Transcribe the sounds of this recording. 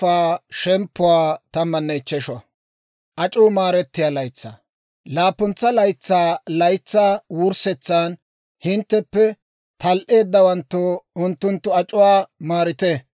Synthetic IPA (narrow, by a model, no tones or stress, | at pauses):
aːʃɛmpːʊwaːt̪ɐmːɐnːɛɪt͡ʃːɛʃɔ | ʔɐt͡ʃʼuːmaːɾɛt̪ːɪjaːlɐjt͡sːa̰ː | laːpːʊnt͡sːɐlɐjt͡sːaːlɐjt͡sːaːwʊɾsɛt͡sːaːn | hɪnt̪ːɛpːɛ | t̪ɐlʔe̞ːd̪ːɐwɐnt̪ːoːʊnt̪ːʊnt̪ːʊɐt͡ʃʼʊwaːmaːɾɪt̪ɛ